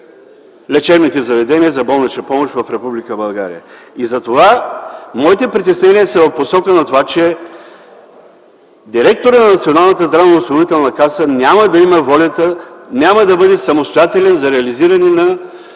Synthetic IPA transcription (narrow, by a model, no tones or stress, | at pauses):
lɛt͡ʃɛbnit̪ɛzɐvɛd̪ɛniəzɐbɔlˠnɐt͡ʃ̪əpɔmoʃvɐfɾɛpublikəbɐlˠɡa̰ɾijə̰ | izɐt̪ovamɔit̪ɛpɾit̪ɛsnɛniəsɐvɐfposɔkənɐt̪ovat͡ʃɛ | d̪iɾɛk̚t̪oɾət̪nɐnɐt̪sionalˠnɐt̪əzd̪ɾavənɐoʊsʲˠɐnovit̪ɛlˠnɐkasənʲaməd̪ɐiməvɔlʲət̪ənʲaməd̪ɐbɤd̪ɛsɐmost̪ojat̪ɛlɛnzɐɾɛɐliziɾɐninɐ